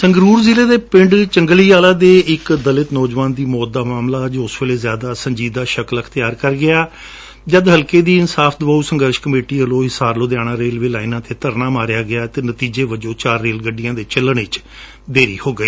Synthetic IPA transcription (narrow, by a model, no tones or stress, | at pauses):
səŋɡɾuːɾziːleːd̪eːpɪ̃ɳɖt͡ʃəŋɡəliːaːlaːd̪eːɪkd̪əlɪt̪nɔːd͡ʒʋaːnd̪iːmɔːt̪̚d̪aːmaːmlaːd͡ʒoːʊsʋeːleːzjaːd̪aːsəɲd͡ʒiːd̪aːʃəkləkʰt̪ɪjaːɾkəɾɡɪaː | d͡ʒəd̪ɦəlkeːd̪iːɪnsaːfʰd̪ʊʋaːuːsəŋɡəɾʃkəmeːʈiːəloːɦɪsaːɾloːd̪jaːɽ̃ãːɾeːlʋeːlaːinãːt̪eːt̪əɾnaːmaːɾjaːɡɪaːt̪eːnət̪iːd͡ʒeːʋəd͡ʒõːt͡ʃaːɾːeːlɡəɖijãːd̪eːt͡ʃɪlːəɳɪt͡ʃ | d̪eːɾḭːhoːɡəiː